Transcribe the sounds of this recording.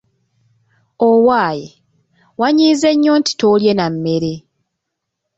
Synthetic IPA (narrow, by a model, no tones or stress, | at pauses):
owaːje | waɲiːze̞ɲːoːnti̥toljenamːe̞ɾe